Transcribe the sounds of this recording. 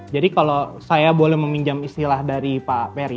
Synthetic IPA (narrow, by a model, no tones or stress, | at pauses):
d͡ʒadikalosajabolɛhməmiɲd͡ʒamist̪ilahdaɾipapɛɾi